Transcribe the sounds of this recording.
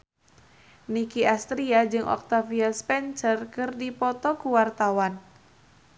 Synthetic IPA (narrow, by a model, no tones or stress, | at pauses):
nikiast̪ɾiad͡ʒɨŋʔɔ̰k̚t̪afiaspɛnsərkɨrdipɔt̪ɔkuwart̪awan